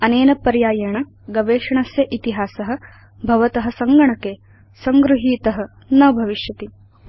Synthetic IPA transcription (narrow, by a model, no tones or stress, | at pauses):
ɐneːnɐpɐɾjaːjɐɳɐ | ɡɐʋeːʂɐɳɐsjɐʔit̪iɦaːsɐɦɐ̆ | bʱɐʋɐt̪ɐɦɐ̆sɐŋɡɐɳɐke | sɐŋɡɾuɦiːt̪ɐɦɐ̆ | nɐbʱɐʋiʃjɐt̪i